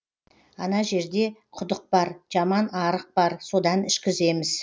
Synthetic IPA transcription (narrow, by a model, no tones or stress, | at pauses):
ɑnɑʒe̞ɾd̪e̞qʰʊd̪əq̚bɑɾʒ̥ɑmɑnɑɾəq̚b̥ɑɾso̞d̪ɑnʏʃkʲɪze̞mɪz̥